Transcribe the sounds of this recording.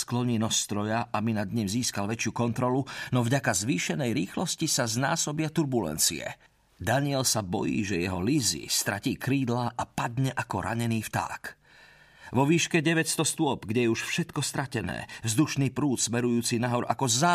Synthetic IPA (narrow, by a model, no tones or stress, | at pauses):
sklɔɲiːnɔst̪ɾɔjaʔabinad̪ɲimziːskalʋɛt͡ʃɪukɔnt̪ɾɔlunɔvɟakazʋiːʃɛnɛjɾiːxlɔscisaznaːsɔbɪat̪uɾbulɛ̰nt͡sḭɛ̰ | d̪aɲɪɛlsabɔ̰jḭːʒɛjɛɦɔlizḭst̪ɾa̰ciːkɾiːd̪laʔapad̪ɲɛʔakɔɾʔa̰ɲɛniːft̪a̰ːk | ʋɔʋiːʃkɛɟɛʋɛcst̪ɔst̪ʊɔbɡɟɛjɛuʃfʃɛt̪kɔst̪ɾacɛnɛ̰ːvzd̪uʃniːpɾuːt̪smɛɾujuːt͡sinaɦɔɾʔa̰kɔzaː